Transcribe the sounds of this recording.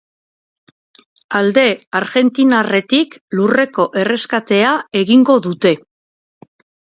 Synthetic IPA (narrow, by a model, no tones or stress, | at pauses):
ald̪e̞aɾɣe̞nt̪inare̞t̪iklure̞ko̞ʔe̞re̞skat̪e̞ae̞ɣiŋɡo̞ðut̪e̞